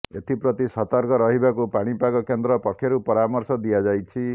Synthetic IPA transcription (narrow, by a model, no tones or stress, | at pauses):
et̪ipɾʌt̪isʌt̪ɔɾkɔɾʌɦibakupaɽ̃ipakɔkend̪ɾɔpɔkʰːjeɾupɔɾamɔrsɔd̪ijad͡ʒajt͡ʃʰi